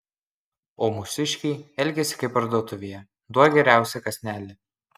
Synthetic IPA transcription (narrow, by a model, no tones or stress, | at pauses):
oːmʊsʲɪʃʲkʲɛɪɛlʲɡʲɛsʲɪ̥kɐɪpɐɾd̪uɔt̪ʊʋʲejɛ | d̪uɔɡʲɛɾʲæˑʊsʲɛkɐsʲnʲæːlʲɪ